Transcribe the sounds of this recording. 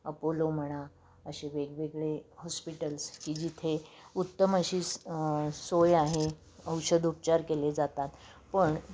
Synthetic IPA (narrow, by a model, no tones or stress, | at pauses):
əpolom̤əɽ̃a | əɕeʋeɡʋeɡɭehɔspiʈəlskiːd͡ʑit̪ʰeut̪ːəməɕiː | sojaɦe | əwɕəd̪up̚t͡ɕaɾkeled͡zat̪at̪ | pəɳ